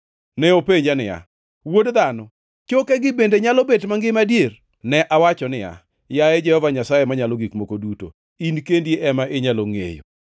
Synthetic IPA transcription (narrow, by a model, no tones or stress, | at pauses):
nɛopeɲd͡ʒanɪja̰ | wodd̪anɔ | t͡ʃokɛɡɪbendeɲalɔbetmaŋɡɪmadjer | nɛʔawat͡ʃɔnɪja̰ | jaɛd͡ʒɛhɔvaɲasajemaɲalɔɡikmokoduto̰ | inkendjeʔɛmaʔeɲaloŋḛjo̰